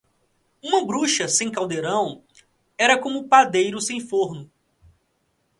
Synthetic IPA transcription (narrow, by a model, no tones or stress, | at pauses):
ũmɐbɾuʃɐsẽj̃kawd̪eɾɐ̃w̃ | ɛɾɐkõmʊpad̪ejɾʊsẽj̃foɾnʊ